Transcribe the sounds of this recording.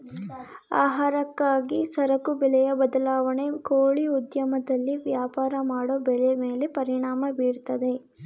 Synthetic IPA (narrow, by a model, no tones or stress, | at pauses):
aːɦaːɾɐkːaːɡisɐɾɐkubɛlɛjɐbɐd̪ɐlaːʋɐɳe̞koːɭiud̪jɐmɐd̪ɐlːiʋjaːpaːɾɐmaːɽoːbɛleme̞ːle̞pɐɾiɳaːmɐbiːɾt̪ɐd̪e̞